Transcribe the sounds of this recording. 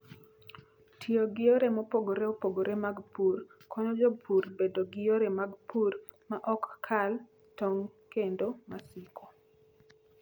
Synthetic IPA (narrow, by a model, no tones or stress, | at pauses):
tʰioɡɪoɾemɔpoɡoɾeopoɡoɾemaɡpurkʰɔɲɔd͡ʒɔpʰuɾbedoɡɪjoɾemaɡpur | maʔɔkːʰal | toŋkendomasɪkʰo